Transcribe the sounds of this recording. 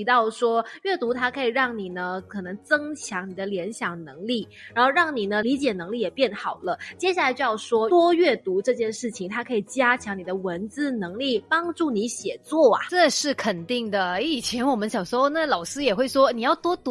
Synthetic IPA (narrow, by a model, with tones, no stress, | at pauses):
i˧˥t̪ɑ˥˩ʊʂwɔ˥ɥɛ˥˩t̪u˧˥t̪ʰa˥kʰɤ˧˥i˨˩ɻɑ˥˩ŋni˨˩nə˦kʰɤ˨˩nɤ˧˥ŋt͡sɤ˥ŋt͡ɕʰjɑ˧˥ŋni˨˩d̪ə˦ljɛ˧˥nɕjɑ˨˩ŋnɤ˧˥ŋli˥˩ | ɻa˨˧˥nxo˥˧ɻɑ˥˩ŋni˨˩nə˦li˧˥t͡ɕjɛ˨˩nɤ˧˥ŋli˥˩jɛ˨˩pjɛ˥˩nxɑ˨˩ʊlə˦t͡ɕjɛ˥ɕja˥˩la˧˥t͡ɕo˥˧jɑ˥˧ʊʂwɔ˥t̪wɔ˥ɥɛ˥˩t̪u˧˥ʈ͡ʂɤ˥˧t͡ɕjɛ˥˧nʂɻ̩˥˩t͡ɕʰi˨˩ŋt̪ʰa˥kʰɤ˧˥i˨˩t͡ɕja˥t͡ɕʰjɑ˧˥ŋni˨˩d̪ə˦wə˧˥nt͡sɹ̩˥˩nɤ˧˥ŋli˥˩pɑ˥ŋʈ͡ʂu˥˩ni˧˥ɕjɛ˨˩t͡swɔ˥˩a̰˨˩ʈ͡ʂɤ˥˧ʂɻ̩˥˩kʰə˨˩nt̪i˥˩ŋd̪ə˩˥i˨˩t͡ɕʰjɛ˧˥nwɔ˨˩mə˦nɕjɑ˨˩ŋʂwɔ˥na˥˩lɑ˨˩ʊsɹ̩˥jɛ˨˩xwe˥˩ɪʂwɔ˥ni˨˩jɑ˥˩ʊt̪wɔ˥t̪u˧˥